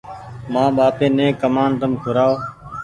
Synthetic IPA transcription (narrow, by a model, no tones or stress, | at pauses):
mãːɓaːpẽːnẽːkːəmaːnt̪əmkʰʊɾaːoː